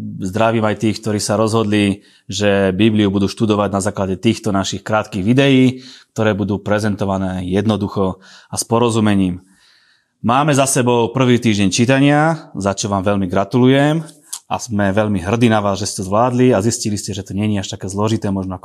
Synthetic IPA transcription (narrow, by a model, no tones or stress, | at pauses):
zd̪ɾaʋiːmajt̪iːxk̚t̪ɔɾiːsaɾɔzɦɔd̪li | ʒɛbibliubud̪uːʃt̪ud̪ɔʋaɟnazaːklaɟɛt̪iːxt̪ɔnaʃixkɾaːt̪kiːɣʋid̪ɛjiːk̚t̪ɔɾɛːbud̪uːpɾɛzɛnt̪ɔʋanɛːjɛd̪nɔd̪uxɔaspɔɾɔzumɛɲiːm | maːmɛzasɛbɔʊpr̩ʋiːt̪iːʒɟɛɲt͡ʃit̪aɲɪazat͡ʃɔʋaːmʋɛʎmiɡɾat̪ulujɛm | a̰z̥mɛʋɛʎmiɦr̩d̪inaʋaːzʒɛstɛzʋlaːd̪liazisciliscɛʒɛt̪ɔɲɛɲɛaʃt̪akɛːzlɔʒit̪ɛːmɔʒnɔakɔ